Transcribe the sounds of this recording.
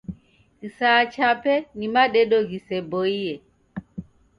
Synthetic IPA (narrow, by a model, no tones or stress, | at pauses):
ɣisat͡ʃapɛnimaɗɛɗɔɣisɛbɔijɛ